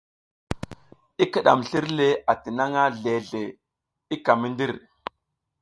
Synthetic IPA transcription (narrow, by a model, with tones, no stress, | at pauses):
i˦ki˨ɗa̰˨mɬi˦ɾle˦a˨ti˨na˦ŋa˦ɮe˨ɮe˨ | i˦ka˨mi˦ndi˦ɾ